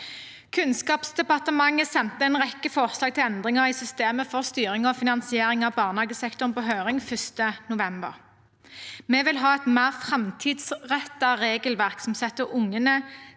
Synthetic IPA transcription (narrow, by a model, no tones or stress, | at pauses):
kʰʉnskɑːpsd̪ɛpɑʁt̪əmɑŋːəsɛnt̪əɛnʁɛkːəfɔʁslɑːɡ̚t̪ʰɪlɛnd̪ʁɪŋəʁiːsʏst̪eːməfɔʁst̪yːʁɪŋɔfɪnɑnsɪeːʁɪŋɑʋbɑːʁnɑːɡəsɛkt̪ʊʁnpoːɦøːʁɪŋfœst̪ənʊʋɛmbə̰ʁ | meːʋɪlɦɑːɛt̪mæːʁfʁɛmt̪ʰiːd̪sʁɛt̪ːɑʁeːɡəlʋæʁksɔmsɛt̪ːəʔʊŋːənə